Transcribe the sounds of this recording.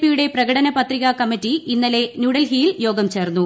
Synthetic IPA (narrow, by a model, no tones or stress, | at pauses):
pijuɽe̞prɐɡɐɽɐnɐpɐt̪riɣɐkɐmːitːiinːɐle̞nuːɽɐlɦijiljo̞ːɡɐmt͡ɕe̞ːrnːu